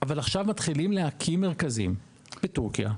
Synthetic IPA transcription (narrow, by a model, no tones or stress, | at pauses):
avalaχʃavmat̪χilimleakʰimːe̞ʁkazḭm | b̥etuʁkija̰